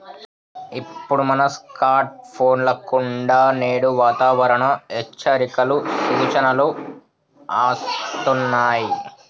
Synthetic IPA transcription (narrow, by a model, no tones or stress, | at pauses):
ipːuɽumɐnɐskaːɾʈ̚pʰo̞ːnlɐkuɳɖaːneːɽuʋaːt̪aːʋɐɾɐɳɐɛt͡ʃːɐɾikɐlusuɾut͡ʃɐnɐlu | aːst̪unːaːji